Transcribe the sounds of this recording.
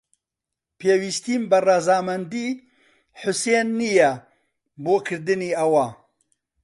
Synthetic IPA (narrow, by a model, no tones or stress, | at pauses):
pʰeːwiːst̪iːmbɐrɑːzɑːmɛnd̪iː | ħʊseːnːijɛ | boːkʰɨɾd̪ɨniːɐwaː